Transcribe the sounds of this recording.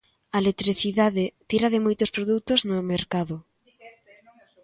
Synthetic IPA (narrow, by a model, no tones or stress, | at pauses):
ɐelet̪ɾiθiðaðɪt̪iɾɐðɪmojt̪ʊspɾoðut̪ʊznomeɾkaðʊ